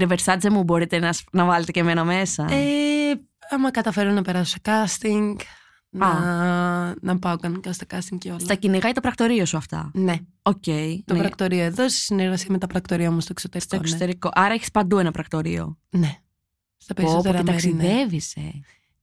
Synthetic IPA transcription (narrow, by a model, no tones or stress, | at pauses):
ɾeveɾsɐzemubo̞ɾit̪e̞nɐsnɐvɐlet̪eceme̞nɐme̞sɐe | ɐmɐkɐt̪ɐfeɾonɐpe̞ɾɐso̥sɐkɐst̪iŋɡ | nɐ | nɐpɐokɐnkɐst̪ɐkɐst̪iŋɡceoslt̪ɐciniɣɐjt̪o̞pɾɐk̚t̪o̞ɾio̞suɐft̪ɐ̰ne | oce̞inpɾɐkt̪o̞ɾio̞eðose̥sineɾɣɐsiɐme̞t̪ɐpɾɐkt̪o̞ɾiɐmust̪oksot̪eɾist̪ooksot̪e̞ɾiko̞ʔɐɾɐeçi̥spɐnd̪uenɐpɾɐkt̪o̞ɾḭo̞̰ne | st̪ɐpɾost̪ɾemt̪ɐksinðevisḛ